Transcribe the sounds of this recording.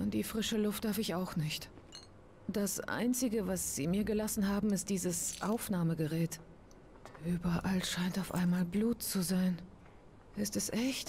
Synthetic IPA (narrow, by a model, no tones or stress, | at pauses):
ʔʊntd̥iːfʁ̥ɪʃəlʊft̚d̥aɐfɪçaʊxnɪçt | d̥asʔa̰ɪnt͡sɪɡəvasz̥iːmiːɐɡəlasn̩ɦaːbm̩ɪst̚d̥iːzəsʔaʊfnaːməɡəʁɛːt | ʔyːbɐʔalʃaɪntaʊfʔa̰ɪnmaːlbluːtt͡suzaɪn | ʔɪstɛsʔɛçt